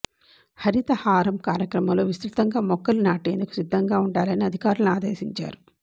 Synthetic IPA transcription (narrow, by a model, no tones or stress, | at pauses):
hɐɾit̪ɐhaːɾɐmkaːɾjɐkɾɐmɐmlo̞ːʋist̪ɾut̪ɐŋɡaːmɔkːɐlunaːʈeːnd̪uku̥sid̪ʱːɐŋɡaːuɳɖaːlɐniɐd̪ʱikaːɾuluniaːd̪eːsiɲt͡ʃa̰ːɾu